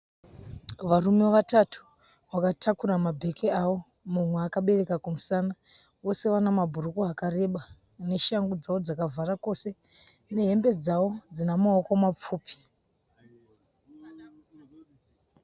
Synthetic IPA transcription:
ʋaɾumeʋatatʰu̥ | ʋakatʰakuramabʱe̞kʰeawo̞ | mumweakaɓe̞re̞kakumusaːna | ʋo̞se̞ʋanamabʱurukuakare̞ɓa | ne̞ʃaŋɡud͡zao̞d͡zakavʱarako̞se̞ne̞ɦe̞mbe̞d͡zawo̞d͡zinamaokomap͡fuːpi̥

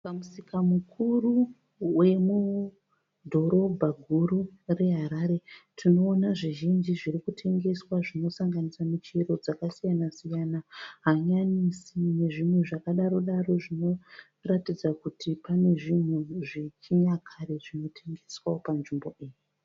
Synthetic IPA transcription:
pamusikamukʰuru | we̞mu | dʱo̞ɾo̞bʱaɡʱuɾure̞ɦaɾaɾe̞tʰino̞ːnaʐiʒind͡ʒiʐiɾikutʰe̞ŋɡe̞swaʐino̞saŋɡanisamit͡ʃeɾo̞d͡zakasijanasijanaɦaɲaɲisine̞ʐimwe̞ʐakaɗaɾo̞ɗaɾo̞ʐino̞ | ratid͡zakutʰipane̞ʐimweʐit͡ʃiɲakʰaɾeʐino̞tʰe̞ŋɡe̞swaopanʐimbo̞ʔeːɲu

